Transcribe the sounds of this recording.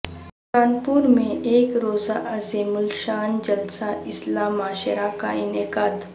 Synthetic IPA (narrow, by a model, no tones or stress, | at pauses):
ʃaːnpuːɾmẽʔeːkɾoːzaʔɐzeːmʊlʃaːnd͡ʒɐlsaɪslaːmaːʃəɾakaɪnekaːd̪